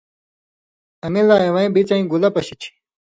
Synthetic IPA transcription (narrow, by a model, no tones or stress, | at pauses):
ɐmilaːẽwɐĩbit͡sɐĩɡulɐpɐɕit͡ɕʰi̥